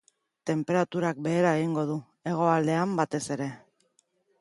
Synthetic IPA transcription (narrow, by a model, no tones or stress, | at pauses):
t̪e̞mpe̞ɾat̪uɾak̚be̞ːɾaeɣ̞iŋɡo̞ð̞u | e̞ɣ̞o̞ald̪e̞ambat̪e̞se̞ɾe̞